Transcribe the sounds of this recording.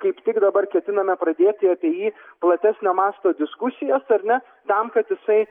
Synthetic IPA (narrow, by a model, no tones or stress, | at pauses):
kɐɪpt̪ʲɪkd̪ɐbɐrkʲɛt̪ʲɪnɐmʲɛpɾɐd̪ʲeːtt̪ʲɪɐɑpʲiɛjiːplˠɐt̪ʲæsʲnʲoːmɑːst̪oːd̪ʲɪskʊsʲɪjɛsɐɾnʲɛ | t̪ɐmkɐt̪jɪsɐɪ